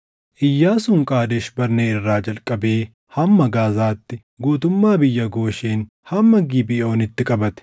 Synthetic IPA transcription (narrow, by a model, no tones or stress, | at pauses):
ʔɪjːaːsʊŋkʼaːd̪ɛʃbɐɾneːɪrːaːd͡ʒɐlkʼːɐbe̞ː | hɐmːɐɡaːzaːt̪ːɪ | ɡuːt̪ʊmːaːbɪjːɐɡo̞ːʃeːn | hɐmːɐɡɪbɪo̞ːnɪt̪ːɪkʼɐbɐt̪ɛ̥